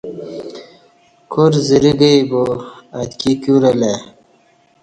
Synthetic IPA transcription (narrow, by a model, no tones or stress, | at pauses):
kʰoɾziɾiɡəjboat̪kikuɾele